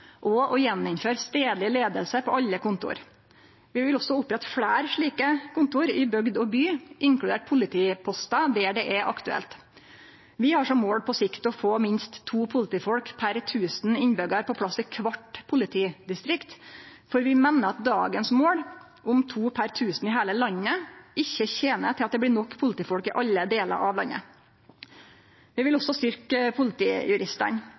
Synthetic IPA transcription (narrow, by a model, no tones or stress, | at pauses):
ʔɔʔɔjɛnːɪnføːɾst̪eːd̪lɪleːd̪əlsəpʰɔʔɑʎːəkʰʊnt̪ʊ̰ɾ | ʋɪʋɪlɔsɔʊpːɾɛt̪ːfɽæːɾʂɭiːkəkʰʊnt̪ʊɾɪbœɡd̪ɔbyːʔɪŋklʉd̪eːʈ̚pʰʊlɪt̪ʰiːpʰɔst̪ɑd̪eːɖɛʔɛʔɑkt̪ʉɛ̰lt̪ | ʋɪhɑʂɔmːoːɽpʰɔsɪkt̪ɔfoːmɪnst̪ʰːuːpʰʊlɪt̪iːfɔɽkpʰæɾt̪ʰʉːsnɪnbœɡəɾpʰɔpʰɽɑsɪkʰʋɑʈpʰʊlɪt̪ʰiːd̪ɪst̪ɾɪkt̪fɔɾʋɪmɛnːəɑt̪̚d̪ɑ̰ːɡənsmoːɽ | ʔʊmt̪ʰuːpʰæɾt̪ʰʉːsn̩ɪːɦæːləlɑnːəɪçːəçeːnət̪ʰɪlɑt̪̚d̪ɛblɪːnɔkːpʰʊlt̪iːfɔɽkɪʔɑlːəd̪eːlə̰ɾʔɑʋlɑnːə̰ | ʋɪʋɪlɔsɔst̪ʏɾkəpʰʊlɪt̪ʰḭːjʉɾɪst̪ə̰ɳ